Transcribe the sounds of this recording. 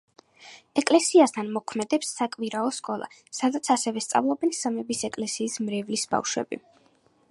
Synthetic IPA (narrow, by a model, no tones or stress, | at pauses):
ɛkʼlɛsiast̪ʰanmɔkʰmɛd̪ɛpsːakʼviɾaɔskʼɔlˠa̰ | sad̪at̪sʰasɛvɛst̪sʼa̰vlˠɔbɛnsamɛbisɛkʼlɛsiːsmɾɛvlisba̰fʃwɛ̰bi